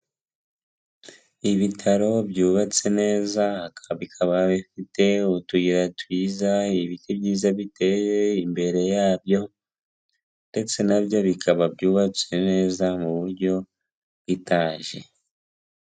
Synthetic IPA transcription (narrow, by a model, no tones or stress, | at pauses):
iβitʰaɾo̞bjuːβat͡se̞ne̞ːzaakaaβikʰaβaβifite̞utuɡiɾatwiːzaiβitibɟiːzaβite̞jeimbe̞ɾe̞jaːbjo̞ | nde̞t͡se̞nabjo̞βikʰaβabjuːβat͡se̞ne̞ːzamuβuɾɟo̞ | βitaːɲʒe̞